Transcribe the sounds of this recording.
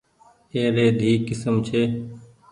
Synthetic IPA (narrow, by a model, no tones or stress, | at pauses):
eːɾeːd̪ʱiːkɪsəmt͡ʃʰeː